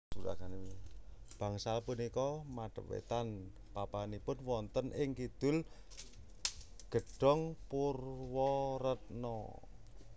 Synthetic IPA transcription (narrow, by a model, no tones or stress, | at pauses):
uɾa̰ɡani | b̥a̤ŋsalpunikɔmaɖ̥əwḛt̪an | papanipʊnwɔnt̪ənʔɪŋkid̪̥ʊ̤l | ɡ̥ə̤ɖ̥ɔ̤ŋpurwɔɾət̪̚nɔ̰